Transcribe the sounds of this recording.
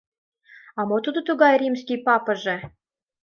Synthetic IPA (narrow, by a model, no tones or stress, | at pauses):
ɑmot̪ud̪ŏt̪uɣɑjrʲimskʲijpɑpɤ̆ʒĕ